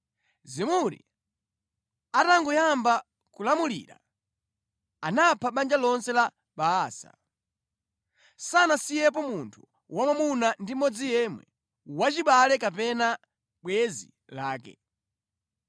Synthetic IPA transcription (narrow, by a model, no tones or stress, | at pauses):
zimuɾḭ | ataŋɡɔjamba | kulamulḭɾa̰ | anapʰaɓand͡ʒalɔnsɛla | ɓaːsa̰ | sanasijɛp̬ɔmuntʰu̥ | wamamunandimɔd͡zijɛmwɛ̰ | wat͡ʃiɓalɛkapɛna | ɓwɛzḭ | laːkɛ̰